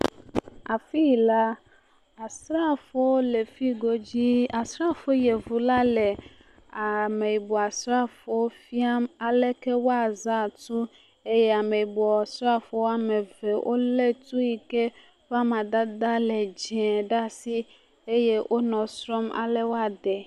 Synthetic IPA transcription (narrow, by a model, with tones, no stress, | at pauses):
a˨fi˦˨la˦ | a˨sɾa˦˨fo˦wo˦le˨fi˦ɡo˨d͡ʑi˦a˨sɾa˦fo˦je˨vu˨la˦lɛ˨ | a˨me˨i˨bɔ˨a˨sɾa˦fo˨wo˦fi˦a˦ma˨lɛ˦kɛ˦wo˦a˨za˦˨tu˦ | e˦jɛ˦a˨me˨i˨bɔ˨a˨sɾa˦fo˨˦wo˦a˨mɛ˨vɛ˨wʔo̰˦le˦t̪u˦ji˨ke˦ | va˦mã˨d̪a˦d̪a˦lɛ˨d͡ʒɛ̃˨ɖa˦si˦ | e˦je˦wʔo˦nɔ̃˨sɾɔ˦ma̰˨lɛ˦wo˦a˨d̪ɛ˨